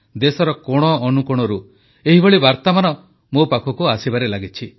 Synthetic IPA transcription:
d̪esɔɾɔkɔɽ̃ɔːnukuɽ̃ɔɾu | eɦibɔɭibaɾt̪amanɔ | mopakʰɔkuasibaɾelaɡit͡ʃʰi

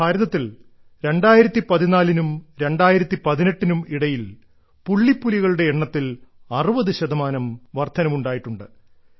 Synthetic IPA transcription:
bʱaːɾɐðɐt̪ːil | ɾe̞ɳɖaːjiɾɐt̪ːipɐðinaːlinumɾe̞ɳɖaːjiɾɐt̪ːipɐðineʈːinumiɽɐjil | puɭːipːuliɣɐɭuɽe̞ːɳːɐt̪ːilɐrubɐðɨɕɐðɐmaːnɐmʋɐrt̪ʰːɐnɐmuɳɖaːjiʈːuɳɖɨ

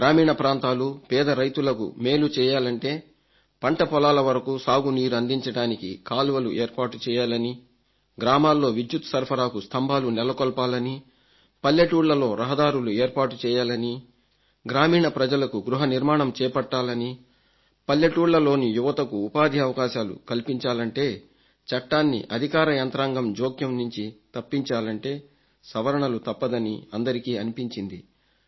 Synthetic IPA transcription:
ɡɾaːmiːɳɐpɾaːnt̪aːlupɛːd̪ɐɾɐjt̪ulɐkṵme̞ːlut͡ʃɛːjaːlɐɳʈe̞ː | pɐɳʈɐpɔlaːlɐʋɐɾɐkusaːɡuniːɾuɐnd̪iɲt͡ʃɐɽaːnikḭkaːlʋɐluʔeːɾpaːʈut͡ʃɛːjaːlɐni | ɡɾaːmaːlːo̞ːʋid̪jut̪sɐɾpʰɐɾaːkust̪ʰɐmbʱaːlunɛlɐkɔlpaːlɐni | pɐljɐʈuːɽlɐlo̞ːɾɐɦɐd̪aːɾulueːɾpaːʈut͡ʃɛːjaːlɐni | ɡɾaːmiːɳɐpɾɐd͡ʒɐlɐkuɡɾuɦɐniɾmaːɳɐmt͡ʃɛːɐpɐʈːaːlɐni | pɐljɐʈuːɽlɐlo̞ːnijuʋɐt̪ɐkuːpaːd̪ʱiɐʋɐkaːʃaːlṵkɐlpiɲt͡ʃaːlɐɳʈe̞ː | t͡ʃɐʈːaːnːḭʔɐd̪ʱikaːɾɐjɐnt̪ɾaːŋɡɐmd͡ʒoːkjɐmnuɲt͡ʃit̪ɐpːiɲt͡ʃaːlɐɳʈe̞ː | sɐʋɐɾɐɳɐlut̪ɐpːɐd̪ɐnḭɐnd̪ɐɾikiːɐnipiɲt͡ʃind̪i

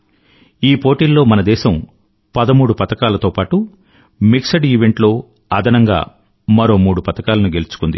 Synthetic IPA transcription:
iːpoːʈiːlːo̞ːmɐnɐd̪ɛːʃɐm | pɐd̪ɐmuːɽupɐt̪ɐkaːlɐt̪o̞ːpaːʈu | miksɐɖiːʋe̞ɳʈlo̞ː | ɐd̪ʱɐnɐŋɡa̰ː | mɐɾo̞ːmuːɽupɐt̪ɐkaːlɐnuɡe̞lut͡ʃu̥kund̪ḭ

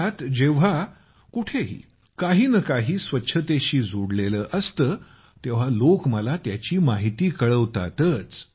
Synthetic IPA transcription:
at̪d͡ʑeʋ̤a | kuʈʰeɦḭː | kaɦiːnəkaɦiːsʋətːɕʰət̪eɕiːd͡zoɽleləːʔəst̪əː | t̪eʋ̤alokməlat̪jat͡ɕiːmaɦit̪iːkəɭəʋt̪a̰t̪ət͡s

